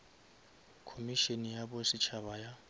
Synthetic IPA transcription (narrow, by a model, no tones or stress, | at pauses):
kʰomiʃenijabɔsit͡ʃʰabaja